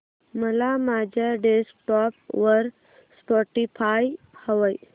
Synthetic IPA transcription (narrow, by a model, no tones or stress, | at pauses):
məlamad͡ʑʱaɖeskʈɔpʋəɾ | spɔʈifaj | həʋəj